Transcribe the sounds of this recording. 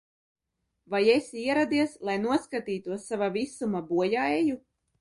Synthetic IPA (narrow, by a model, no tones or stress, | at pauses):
vajesiɛɾad̪iɛslˠajnuɔskat̪iːt̪uɔsːavavisumabuɔjaeju